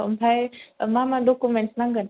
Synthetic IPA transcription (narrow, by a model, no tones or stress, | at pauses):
bʱajmãːmãɖokumẽɳʈsnãŋɡən